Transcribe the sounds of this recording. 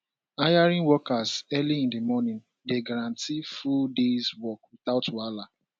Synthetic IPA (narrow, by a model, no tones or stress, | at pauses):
ajaɾĩnwɔkazɛliĩndimɔnĩn | deɡaɾãntifuldezwɔkwit̪aʊtwala